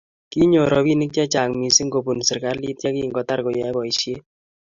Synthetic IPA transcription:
ki˦ɲo˨ɾɔ˨bi˦nɪ˦k̚t͡ʃɛ˦t͡ʃa˨ŋmi˨si˦ŋɡo˨bu˨nsɪ˨ka˦ɾli˦t̚t͡ʃɛ˦ki˦ŋɡɔ˨˦ta˦rko˨jɛ˨˦bɔ˨i˨ʃje˦

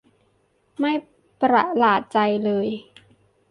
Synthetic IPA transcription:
ma˥˩j | pɾa˨˩laː˨˩t̪̚t͡ɕa˧jlɤː˧j

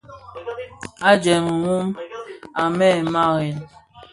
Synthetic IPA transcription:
a˦d͡ʒɛ˨m˨wu˦ma˨mɛ˦˨ma˦˨e˨n

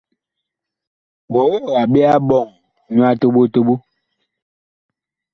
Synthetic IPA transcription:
wo˨˦o˦˨a˨ɓe˦a˦ɓɔ˨ŋ | ɲu˦a˦to˦ɓo˦to˦ɓu˦

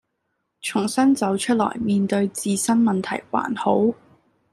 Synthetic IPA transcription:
t͡ʃʰʊ˨˩ŋsɐ˥nt͡sɐ˨˥wt͡ʃʰɵ˥t̚lɔ̰ː˨˩jmiː˨˧nt̪ɵ˧ɥt͡siː˧sɐ˥nmɐ˨nt̪ʰɐ˨˩jwa̰ː˨˩nho˨˥w

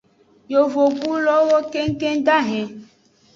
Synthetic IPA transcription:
jo˨vo˨bu˦lɔ˦wo˦ke˦ŋ˦ke˦da˦ɦɛ̃˨

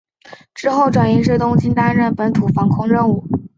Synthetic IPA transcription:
ʈ͡ʂɻ̩˥xo˥˩ʊʈ͡ʂwa˨˩ni˧˥ʂ̬ɻ̩˥˩t̪ʊ˥ŋt͡ɕi˥nt̪a˥nɻə˥˩npə˧˥nt̪ʰu˨˩fɑ˧˥ŋkʰʊ˥ŋɻə˥˧nu˥˩

